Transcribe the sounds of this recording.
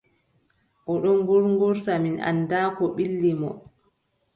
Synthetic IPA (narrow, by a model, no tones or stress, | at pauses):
ʔɔɗɔnɡɔɾŋɡɔɾsamina̰ndaːkɔɓilːimɔ